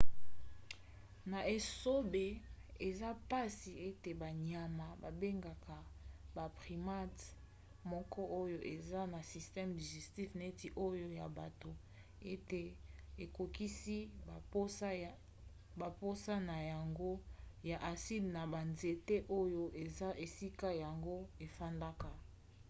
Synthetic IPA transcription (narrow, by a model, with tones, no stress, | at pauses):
na˨e˨so˦be˨e˨za˦pa˦si˨e˦te˨ba˨ɲa˨ma˨ba˨be˦ŋɡa˨ka˨ba˨pʁi˨ma˦t | mɔ˦kɔ˦ʔo˦jo˦ʔe˨za˦na˨si˨stɛ˦mdi˨ʒe˨sti˦fne˦ti˨ʔo˦jo˦ja˨ba˨to˨ | e˦te˨e˨ko˨ki˦si˦˨po˦a˦ | ba˨po˦sa˦na˨ja˨ŋɡo˦ja˨ʔa˨si˦dna˨ba˨nze˦˨te˦ʔo˦jo˦ʔe˨za˦ʔe˨si˦ka˦ja˨ŋɡo˦e˨fa˦nda˦ka˨